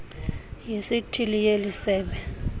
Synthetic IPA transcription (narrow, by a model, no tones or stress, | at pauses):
jesitʰilijelisɛːɓɛ